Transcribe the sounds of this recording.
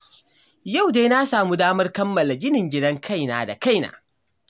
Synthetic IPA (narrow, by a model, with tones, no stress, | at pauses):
ja˦˨wdeː˦na˦saː˨mu˦daː˦mɐ˦rkɐ˦mːɐ˨la˨ɡʲɪ˦nɪ˨ŋɡʲɪ˦dɐ˦ŋkʰa˦˨jnaː˨da˨ka˦˨jna̰ː˨